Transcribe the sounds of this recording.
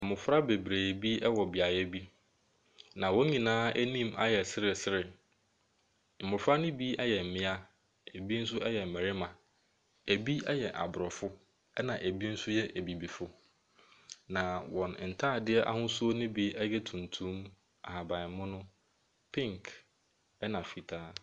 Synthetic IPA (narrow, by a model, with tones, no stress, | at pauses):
m̩˨mʊ˨fɾa˦be˨bɾeː˨bi˦ɛ˦wɔ˨bɪ˨a˨jɛ˦bi˦ | nã˨wɔ̃˦ɲĩ˨nãː˦æ˦nĩ˦˨ma˦jɛ˨sɪ˦ɾɪ˨sɪ˦ɾɪ˨ | m̩˨mʊ̃˨fa˦nʊ̃˦bi˦ɛ˦jɛ˨m̩˨mɪ̃˦a˦ | æ˨bi˦n̩˦s̬ʊ˦ɛ˦jɛ˨m̩˨mæ˨ɾɪ˦mã˨ | æ˨bi˦ɛ˦jɛ˨ʔa̰˨bʊ˨ɾɔ˨fʊ˦ | ɛ˦nã˨ʔæ˨bi˦n̩˦sʊ˦jɛ˦ʔæ˨bi˨bi˨fʊ˦ | nã˨wɔ̃˨n˨n̩˨tʰaː˦˨dɪ˦ɛ˦ʔa̰˦hʊ̃˦sʊ˦o˦nɪ̃˦bi˦ɛ˦jɛ˦tʰũ˨ntʰũ˦m | a̰˨ha˨ba˨ɪ˨m̩˦mʊ̃˦nʊ̃˦ | pʰɪ̃˦ŋkʰ | ɛ˦nã˨fi˨tʰaː˦